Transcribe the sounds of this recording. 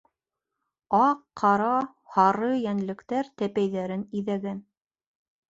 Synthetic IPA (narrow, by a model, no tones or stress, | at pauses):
ɑqʰːɑɾɑ | hɑɾɤjænlɘ̆kt̪æɾt̪æpæjðæɾɘniðæɡæn